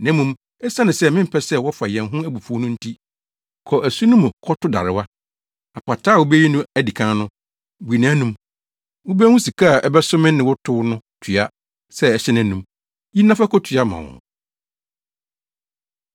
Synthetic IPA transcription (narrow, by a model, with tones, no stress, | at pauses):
nɛ̃˦mũ˨m | ɛ˦sa˦nɪ̃˨sɛ˦˨mɪ̃˦m̩˦pʰɛ˦sɛ˦wɔ˦fa˨jɛ̃˨nɦʊ̃˦æ˦bu˨fu˦ɔ˦nʊ̃˦n̩˦tʰi˦ | kʰɔ˨ʔæ˨su˦nʊ̃˦m̃˨kʰɔ˦tʊ˦da̰˨ɾɪ˨wa˦ | a˨pʰa˨tʰaː˦˨wʊ˦bɛ˦ji˦nʊ̃˦æ˦di˨kʰã˦nʊ̃˦ | bu˨i˨nã˦nũ˦m | wʊ˦bɛ˦hũ˦si˨kʰa˦˨ʔɛ˦bɛ˦sʊ˦mɪ̃˦nnɪ̃˨wɔ˦tʰʊ˦nʊ̃˦tʰɥa˦ | sɛ˦ɛ˦ɕɛ˦nɪ̃˦nũ˨m | ji˦nã˦fa˦kʰɔ˦tʰɥa˦mã̰˨wʊ̰̃˨